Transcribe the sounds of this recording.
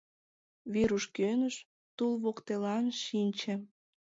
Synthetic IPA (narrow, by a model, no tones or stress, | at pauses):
βiɾuʃkønəʃ | t̪ulβokt̪elɑnʃinʲt͡ɕĕ